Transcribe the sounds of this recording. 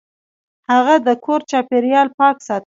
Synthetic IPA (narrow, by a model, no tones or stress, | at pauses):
haɣad̪əkʰoɾt͡ʃɑpeɾjɑlpɑksɑt̪